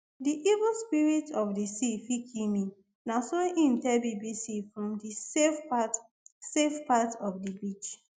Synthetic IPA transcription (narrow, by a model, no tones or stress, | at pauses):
diʔivuspiɹitʰɔfdisifikʰĩmĩ | nasoʔĩmtɛbibisifɹɔ̃mdift | sefpatɔfdibit͡ʃ